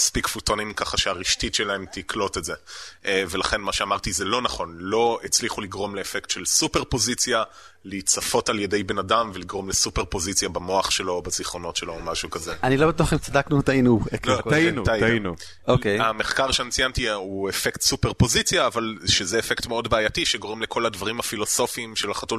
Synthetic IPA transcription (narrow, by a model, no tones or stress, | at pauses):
aspikfutonimkaχaʃeaʁiʃtitʃe̞lae̞mt̪iklo̞te̞tzevelaχe̞nmaʃeamaʁtizelo̞naχo̞nlo̞et͡sliχuliɡʁo̞mleːfektʃe̞lsupe̞ʁpo̞zit͡sja | lit͡safo̞talje̞de̞jbe̞nadamveliɡʁo̞mlesupe̞ʁpo̞zit͡sjabamo̞aχʃe̞lo̞baziχʁo̞no̞tʃelo̞ːmaʃukazeanilobat̬uaχimt͡sadaknutainuekokainuaiainu | okejameχkaʁʃeanit͡sijantiuefektsupeʁpozit͡sjaːvalʃezeːfektmeo̞dbeajatiʃeɡo̞ʁemlekʰo̞ladvaʁimafilo̞so̞fiːmʃelaχatul